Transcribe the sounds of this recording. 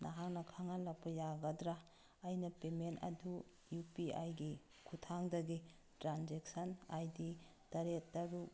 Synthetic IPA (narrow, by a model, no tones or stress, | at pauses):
nʔaɦaŋnɐkʰaŋalak̚pɐjaɡɐdɾaː | jnɐpementɐ̰du | jupia̰jɡi | kʰutʰaŋdɐɡi | tɾanzek̚sɐnajditɐɾetːɐɾu